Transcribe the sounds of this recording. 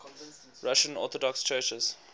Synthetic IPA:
ɹaʃə̃nɔ̰ːˑtɔdɔkst͡ʃɜːt͡ʃəz̥

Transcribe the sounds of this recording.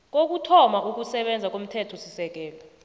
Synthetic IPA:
k̬ok̬utʰɔmak̬ʼuk̬usɛɓɛnd͡zʱak̬ʼom̩tʰɛtʰɔsisɛk̬ɛːlɔ

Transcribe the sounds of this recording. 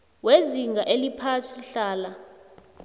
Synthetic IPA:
weziŋɡʱaʔelipʰasiɬaːla

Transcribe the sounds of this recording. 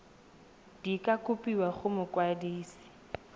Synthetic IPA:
d̥ikʼakʼʊpʼiwaχʊmʊkwadiːsi̥

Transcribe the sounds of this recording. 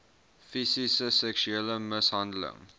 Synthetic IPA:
fisisəsɛkʃyeːləməsɦɐndələ̰ŋ

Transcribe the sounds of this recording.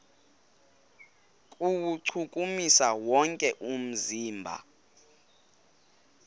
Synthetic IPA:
kʼuwuǀʰukʼumisawɔŋkʼɛʔum̩ziːmbʱa̰

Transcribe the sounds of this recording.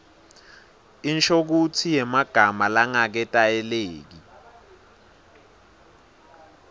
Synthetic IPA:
int͡ʃʰʼok̬utʰijɛmaɡ̥ʱamalaŋak̬ɛtʼajɛleːk̬i

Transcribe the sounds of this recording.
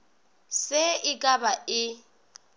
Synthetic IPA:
sɪɪkʼabaɪ

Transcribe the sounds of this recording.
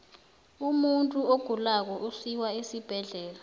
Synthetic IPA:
umuntʼuoɡ̥ʱulak̬ɔʔusiwaisib̥ʱɛɮɛːla

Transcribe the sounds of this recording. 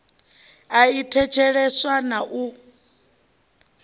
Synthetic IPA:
aitʰɛt͡ʃʰɛɺɛswanaʔu

